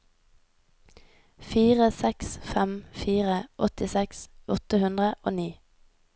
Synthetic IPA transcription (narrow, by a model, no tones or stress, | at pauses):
fiːʁəsɛksfɛmfiːʁəʔɔt̪ɪsɛksʔɔt̪əhʉnd̪ʁəʔo̰ːniː